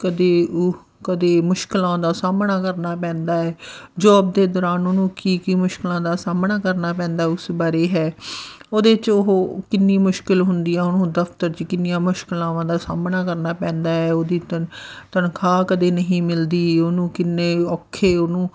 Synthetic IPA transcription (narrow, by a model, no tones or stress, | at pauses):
kəd̪eː | kəd̪eːmʊʃkɪlãːd̪aːsaːmnãːkəɾnaːpɛ̃ːnd̪aːɦɛːd͡ʒɔːb̚d̪eːd̪ɔːɾaːnoːnũːkiːkiːmʊʃkɪlãːd̪aːsaːmnãːkəɾnaːpɛ̃ːnd̪aːɛʊsbaːɾeːɦɛːoːd̪eːt͡ʃʊɦoːkɪnːiːmʊʃkɪlɦʊnd̪iːɛ̃ːoːnũːd̪əfʰt̪əɾt͡ʃkɪnːɪjãːmʊʃkɪlãːãːd̪aːsaːmnãːkəɾnaːpɛ̃ːnd̪aːɦɛːoːd̪iːt̪ət̪ənkʰaːkəd̪eːnəɦĩːmɪld̪iːoːnũːkɪnːeːɔːkʰːeːoːnũː